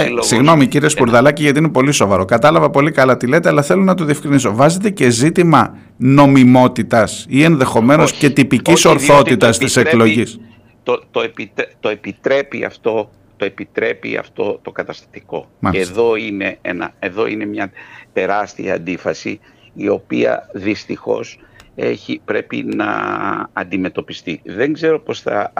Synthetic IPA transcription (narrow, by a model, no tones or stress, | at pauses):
siɣno̞miciɾiespuɾðɐlɐciʝɐt̪iinepo̞liso̞vɐɾo̞kɐt̪ɐlɐvɐpo̞likɐlɐt̪ile̞ːt̪e̞ɐlɐθe̞lo̞nɐt̪o̞ðiefkɾiniso̞vɐzet̪e̞ce̞zit̪imɐ | no̞mimo̞t̪it̪ɐsie̞nðe̞xo̞me̞no̞sce̞t̪ipiciso̞ɾθθo̞t̪it̪ɐst̪iseklo̞ʝis | t̪ot̪oepit̪t̪oepit̪ɾe̞pḭɐ̰ft̪o̞ | t̪o̞e̞pit̪ɾe̞pḭɐ̰ft̪o̞t̪o̞kɐt̪ɐst̪ɐ̥t̪i̥ko̞mɐleðo̞ine̞ḛnɐ̰eðo̞ine̞mɲɐt̪e̞ɾɐst̪iɐɐ̰nd̪ifɐsi | io̞piɐ̰ðist̪ixo̞̰se̞̰çipɾe̞pḭnɐ̰ɐnd̪ime̞t̪o̞pist̪iðe̞ŋɡze̞ɾo̞po̞sθɐ̰